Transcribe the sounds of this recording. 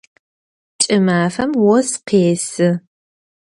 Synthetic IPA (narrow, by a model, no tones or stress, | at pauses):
t͡ʃʼɨmaːfɐmwɔsqeːsɨ